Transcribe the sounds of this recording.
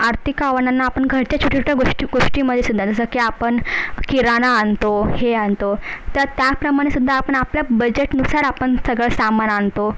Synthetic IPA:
aɾt̪ʰikaʋənanːaːpəɳɡʱəɾt͡ɕjat͡ɕʰuʈʰit͡ɕʰu̥ʈʰaɡoʂʈiɡoʂʈiməd̪ʱːjesud̪ʱːand͡z̪əsəkiapəɳkiɾanaːnt̪oheant̪ot̪əɾt̪japɾəmaɽ̃esud̪ʱːaːpəɳapljabəd͡ʑeʈnusaɾapəɳsəɡɭəsamanant̪o

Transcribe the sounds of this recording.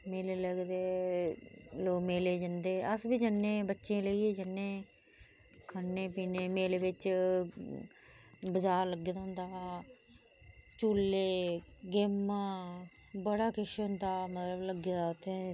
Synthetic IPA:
meːleːləɡd̪eː | loːkmeːleːd͡ʒənd̪eːəsbiːd͡ʒənːẽːbətːʃẽːləiːeːd͡ʒənːẽː | kʰənːeːpiːneːmeːleːbɪt͡ʃ | bəzaːɾləɡːeːd̪aːɦʊ̃nd̪aː | t͡ʃuːlːeːɡeːmːãː | bəɽaːkʰɪʃɦʊnd̪aːmət̪ləbləɡeːd̪aːt̪ẽː

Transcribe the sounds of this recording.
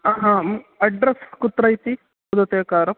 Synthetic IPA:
aːɦãɐɖɾɐskut̪ɾɐjt̪i | ud̪ɐt̪ekaːɾɐm

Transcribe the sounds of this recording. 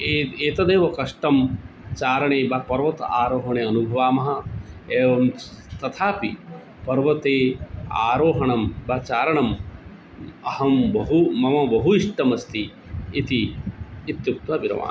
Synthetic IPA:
eeːt̪ɐd̪eːʋɐkɐʂʈɐm | t͡ʃaːɾɐɳeːbɐpɐɾʋɐt̪aːɾoːɦɐɳeːɐnubʱɐʋaːmɐɦɐ̆eːʋɐm | t̪ɐt̪ʰaːpi | pɐɾʋɐt̪eːa̰ːɾoːɦɐɳɐmbɐt͡ʃaːɾɐɳɐm | ɐhɐmbɐɦumɐmɐbɐɦuiʂʈɐmɐst̪iː | t̪iː | t̪juk̚t̪wɐbiɾɐ̰ʋa̰ː

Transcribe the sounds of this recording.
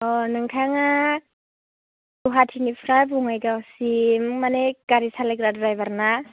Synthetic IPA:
ɔnɯŋtʰaŋa | duɦatʰinipʰɾajbuŋajɡawsimːanekaɾisalekɾadɾajbaɾna

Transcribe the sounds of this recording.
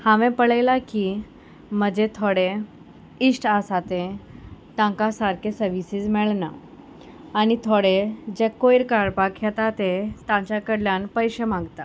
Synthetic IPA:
hãʋẽpəɭajlaki | məd͡ʑet̪ʰoɽe | isʈasat̪ẽt̪ãkasaɾkesəɾʋisiːd͡zmɛɭna̰ː | ñit̪ʰoɽed͡ʑekoiɾkaɾpakʰjɛt̪at̪et̪ãt͡ɕjakəɽljãnpəjɕemãɡt̪a

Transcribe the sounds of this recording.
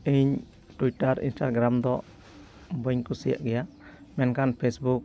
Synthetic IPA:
əɲ | ʈuiʈaɾḭnsʈaɡɾamd̪ɔ | bɔjɲkusija̰ʔɡɛja | mɛnkanpʰesbuk̚

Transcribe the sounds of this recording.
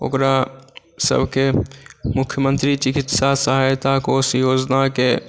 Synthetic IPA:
o̰kɾa | sə̰bʱkemʊkʰjəmənt̪ɾit͡ʃikit̪sasaɦajt̪akosjod͡ʒnake

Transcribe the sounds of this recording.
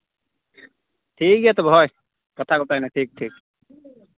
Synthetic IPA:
ʈʰikjet̪ɔbʱɔj | kʌt̪ʰakut̪ajnaʈʰiːk̚ʈʰiːk̚

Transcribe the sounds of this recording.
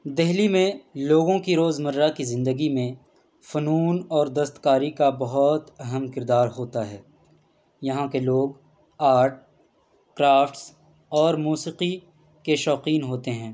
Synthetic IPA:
d̪ɛɦlimẽloːɡõkiɾoːzmɐɾːakizɪ̃nd̪əɡimẽ | fʊnuːnɔːɾd̪ɐst̪kaːɾikabɐɦʊt̪ɐɦəmkɪɾd̪aːɾɦoːt̪aɦɛː | jɐɦãkeloːɡ | aːɾʈ̚ | kɾaːfʈs | ɔːɾmuːsiːqi | keʃɔːqiːnɦoːt̪eɦɛ̃ː

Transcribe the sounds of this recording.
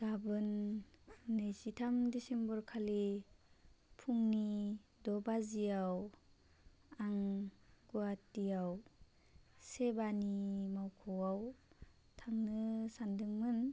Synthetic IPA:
ɡ̥abɯnː | ɯjsitʰamdesembɔɾkʰali | pʰuŋnidɔbazijaw | aŋɡuatijaw | sebanimawkʰɔwaw | tʰaŋnɯsandɯŋmɯn

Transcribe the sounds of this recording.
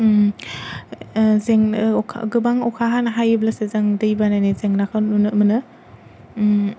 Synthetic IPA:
zeŋkʰa̰ɡɯbaŋɔkʰaɦanɐɦajɯblasezaŋdɯjbanajnizeŋnakʰanunɯmɯnɯ

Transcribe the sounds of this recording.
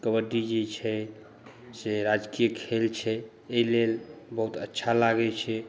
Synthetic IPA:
kəbəɖ̪id͡ʒet͡ʃʰɛ | seɾad͡ʒkijəkʰelt͡ʃʰɛ | eilelbəɦut̪ətːʃʰalaɡɛt͡ʃʰɛ

